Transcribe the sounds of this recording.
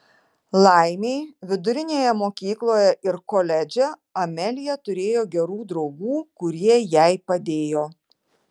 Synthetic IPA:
lˠɐɪmʲeɪʋʲɪd̪ʊɾʲɪnʲeːjɛmoːkʲiːklˠoːjɛʔɪɾkoːlʲɛd͡ʒʲɛɐmʲɛlʲɪjɛt̪ʊɾʲeːjoːɡʲɛɾuːd̪ɾɒʊɡuːkʊɾʲiɛjɛɪpɐd̪ʲeːjoː

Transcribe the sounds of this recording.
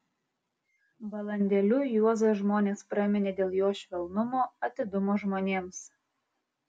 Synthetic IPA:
bɐlˠɐnʲd̪ʲɛlʲujuɔzɐʒmoːnʲeːspɾɑmʲɪnʲeːd̪ʲeːlˠjoːʃʲʋʲɛlˠnʊmoːɐt̪ʲɪd̪ʊmoʒmoːnʲeːms

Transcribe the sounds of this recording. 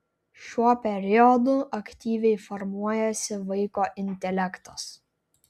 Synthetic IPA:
ʃʲuɔpʲɛɾʲɪɔd̪ʊʔɐkʲt̪ʲiːʋʲɛɪfɔɾmuɔjɛsʲɪʋɐɪkoːʔɪnʲt̪ʲɛlʲɛkt̪ɐs

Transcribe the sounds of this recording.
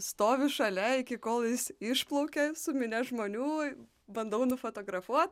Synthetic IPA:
st̪oːʋʲɪʃɐlʲɛɪkʲɪkoːlˠjɪsɪʃplˠɐʊkʲɛsʊmʲɪnʲɛʒmoːnʲuː | bɐnd̪ɐʊnʊfoːt̪oːɡɾɐfuɔt̪̚

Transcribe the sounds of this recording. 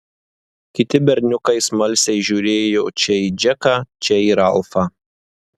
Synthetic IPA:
kʲɪt̪ʲɪbʲɛɾʲnʲʊkɐɪsmɐlʲsʲɛɪʒʲuːɾʲeːjoːt͡ʃʲɛiːd͡ʒʲɛkɑːt͡ʃʲɛiːɾɐlˠfɑː

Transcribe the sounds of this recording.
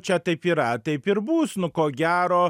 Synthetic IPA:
t͡ʃʲɛt̪ɐɪpiːɾɐt̪ɐɪpɪɾbuːsnʊkoːɡʲæːɾoː

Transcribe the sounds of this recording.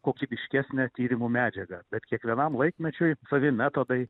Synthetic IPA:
koːkʲibʲɪʃʲkʲæːsʲnʲɛt̪ʲiːɾʲɪmuːmʲæːd͡ʒʲɛɡɐbʲɛt̪kʲiɛkʋʲiɛnɐmlˠɐɪkmʲɛt͡ʃʲʊɪsɐʋʲɪmʲæːt̪od̪ɐɪ

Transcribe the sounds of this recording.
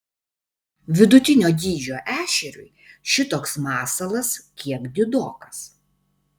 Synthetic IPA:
ʋʲɪd̪ʊt̪ʲɪnʲoːd̪ʲiːd͡ʒʲoːʔæːʃʲɛɾʲʊ̰ɪʃʲɪt̪oːksmɑːsɐlˠɐskʲiɛkd̪ʲɪd̪oːkɐs

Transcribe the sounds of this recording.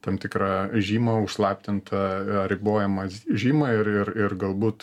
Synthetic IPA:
t̪ɐmt̪ʲɪkɾɑʒʲiːmɐʊʃslˠɑːpʲt̪ʲɪnt̪ʰɐɾʲɪboːjɛmɐʒʲiːmɐɪrɪrɪrɡɐlˠbuːt̪

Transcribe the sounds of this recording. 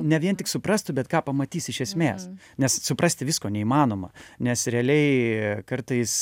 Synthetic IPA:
nʲɛʋʲiɛnt̪ʲɪksʊprɐst̪ʊbʲɛt̪kɑːpɐmɐt̪ʲiːsɪʃʲɛsʲmʲeːs | nʲɛssʊprɐsʲt̪ʲɪʋʲɪskoːnʲɛiːmɑːnoːmɐ̰nʲɛsɾʲɛɐlʲɛɪkɐrt̪ɐɪs

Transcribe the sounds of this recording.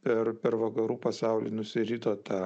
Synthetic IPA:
pʲɛɾpʲɛɾʋɐkɐɾuːpɐsɑˑʊlʲḭːnʊsʲɪɾʲit̪oːt̪ɑː

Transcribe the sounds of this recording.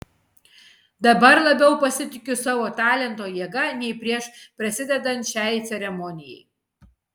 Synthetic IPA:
d̪ɐbɐɾlˠɐbʲɛʊpɐsʲɪt̪ʲɪkʲʊsɑːʋoːt̪ɑːlʲɛnt̪oːjiɛɡɐnʲɛɪpʲɾʲiɛʃpʲɾɐsʲɪd̪ʲɛd̪ɐnʲt̪ʲʃʲæːjt̪sʲɛɾʲɛmɔnʲɪjɛ̰j

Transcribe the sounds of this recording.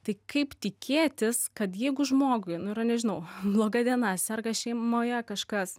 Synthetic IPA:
t̪ɐɪkɐɪpt̪ʲɪkʲeːt̪ʲɪskɐt̪jɛɪɡʊʒmoːɡʊɪnʊɪɾrɐnʲɛʒʲɪnɐʊblˠoːɡɐd̪ʲiɛnɑsʲɐrɡɐʃʲɛɪmoːjɛkɐʃkɐs

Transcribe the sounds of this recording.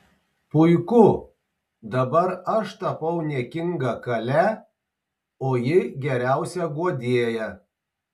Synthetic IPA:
pʊɪkʊ | d̪ɐbɐɾɐʃt̪ɐpɐʊnʲiɛkʲɪŋɡɐkɐlʲæ | oːjɪɡʲɛɾʲæˑʊsʲɛɡuɔd̪ʲiːɛjɛ

